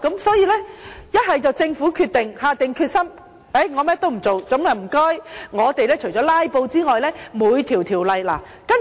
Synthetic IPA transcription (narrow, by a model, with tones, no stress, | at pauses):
kɐ˨˥msɔː˨˥jiː˧lɛː˥jɐ˥t̚hɐ˨jt͡sɐ˨wt͡sɪ˧ŋfuː˨˥kʰyː˧t̪̚ɪ˨ŋhaː˨t̪ɪ˨ŋkʰyː˧t̚sɐ˥m | e˨˥jŋɔː˨˧mɛː˥t̪o˥wm̩˨˩t͡so˨wt͡sɵ˨˥mlɐ˨˩m̩˨˩kɔː˥jŋɔː˨˧t̪e˨jlɛː˥t͡ʃʰɵ˨˩t͡sɔː˨˥laː˥jpo˧wt͡siː˥ŋɔː˨jlɛː˥muː˨˧jt̪ʰiː˨˩wt̪ʰiː˨˩wlɐ˨˧jla̰ː˨˩ | kɐ˥n